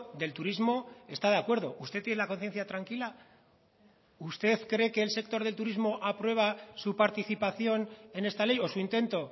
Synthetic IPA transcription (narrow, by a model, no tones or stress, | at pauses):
d̪e̞lt̪uɾizmo̞e̞st̪að̞e̞akwe̞ɾð̞o̞ʔust̪et̪jenelako̞nθje̞n̟θjat̪ɾaŋkila | ust̪e̞θkɾe̞ke̞ːlse̞k̚t̪o̞ɾðelt̪uɾizmo̞ʔapɾwe̞β̞asupaɾt̪iθipaθjo̞ne̞ne̞st̪ale̞jo̞suint̪e̞nt̪o